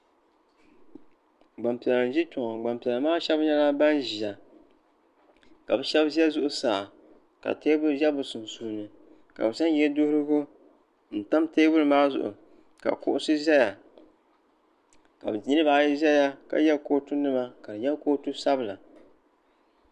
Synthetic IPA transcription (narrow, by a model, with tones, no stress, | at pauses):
ɡ͡ba˨mpɛ˨la˨n˨ʒi˦tʊ˨ŋɔ˨ɡ͡ba˨mpi˨ɛ˨la˨maː˦ʃɛ˦bɲɛ˦la˦ba˦nʒi˨a˨ | ka̰˨bɛ˦ʃɛ˦bzi˦ɛ˦zʊ˦ʔʊ˦saː˨ | ka̰˨teː˦bʊ˦ʒɛ˦bʊ˨sʊ˨n˨suː˨nɨ˨ | ka̰˨bɨ˨sa˦n˦jɛ˦dʊ˦hɾɨ˦ɡʊ˦ | n̩˨ta˦mteː˦bʊ˦ɾɨ˨maː˦zʊ̰˨ʔʊ̰˨ | ka̰˨kʊ̰˦ʔʊ˦sɨ˦ʒɛ˦ja˨ | ka̰˨bɨ˨ɲi˦nɨ˦baː˨˦˨ji˦zɛ˦ja˦ka̰˨jɛ˦lkoː˦tu˦nɨ˦ma˦ka˨dɨ˨jɛ˦lkoː˦tu˦sa˦bɨ˨la˨